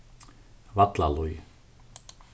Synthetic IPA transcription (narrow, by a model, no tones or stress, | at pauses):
vat̪la̰luj